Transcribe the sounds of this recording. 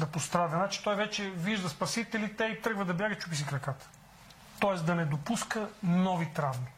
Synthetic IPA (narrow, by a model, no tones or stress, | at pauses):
d̪ɐpost̪ɾad̪ɐnat͡ʃɛ̥t̪ɔjvɛt͡ʃɛviʒd̪ɐspɐsit̪ɛlit̪ɛit̪ɾəɡvəd̪ɐbʲjaɡət͡ʃupis̬ikɾɐkat̪ə̥ | t̪ɔɛsd̪ɐnɛd̪opuskənɔvit̪ɾavmi